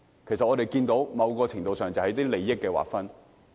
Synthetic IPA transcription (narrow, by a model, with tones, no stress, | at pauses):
kʰe˨˩sɐ˨t̚ɔː˨˧t̪e˨jkiː˧nt̪o˨˥wmɐ˨˧wkɔː˧t͡sʰɪ˨˩ŋt̪o˧wsœː˨ŋt͡sɐ˨whɐ˨˥jt̪iː˥le˨jːɪ˥kːɛː˧wa̰ː˨˩kfɐ˥n